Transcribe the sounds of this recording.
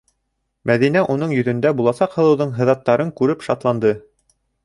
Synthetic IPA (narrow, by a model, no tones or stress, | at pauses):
mæðin̪æʔunɤɴjɵ̆ðɵ̆nd̪æbulˠɑsɑqhɤ̆lˠɤ̆wðɤɴɦɤ̆ðɑt̪ːɑɾɤŋkʉɾɘpʃɑt̪lˠɑnd̪ɤ